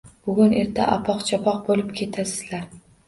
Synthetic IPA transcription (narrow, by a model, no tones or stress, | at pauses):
b̥ʊɡʲʊne̞ɾt̪ʰaʔapʰɒqt͡ʃʰɒpʰɒq̚bolɪpkʲʰe̞t̪ʰasɪ̥z̥laɾ